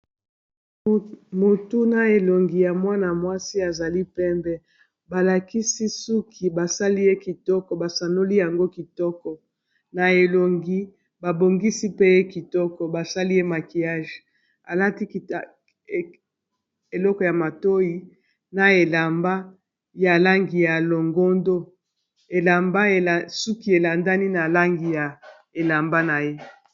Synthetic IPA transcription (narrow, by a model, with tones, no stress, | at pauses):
mo˨tu˦na˨e˨lo˨ŋɡi˨ja˨mwa˦na˨mwa˦si˦a˨za˨li˦pɛ˦mbɛ˦ | ba˨la˨ki˦si˦su˦kʰi˨ba˨sa˦li˦je˦ki˨tɔ˦kɔ˨ba˨sa˨no˦li˦ja˨ŋɡo˦ki˨tɔ˦kɔ˨ | na˨e˨lo˨ŋɡi˨ | ba˨bo˨ŋɡi˦si˦pe˦je˦ki˨tɔ˦kɔ˨ba˨sa˦li˦je˦ma˨ki˨ja˦ʒe˨ | a˨la˦ti˦˨ | e˨lɔ˦kɔ˨ja˨ma˨to˦ji˦ | na˨e˨la˨mba˦ | ja˨la˦ŋɡi˨ja˨lo˨ŋɡo˦ndo˦ | e˨la˨mba˦e˨su˦ki˦e˨la˨nda˦ni˦na˨la˦ŋɡi˨ja˨ | e˨la˨mba˦na˨je˦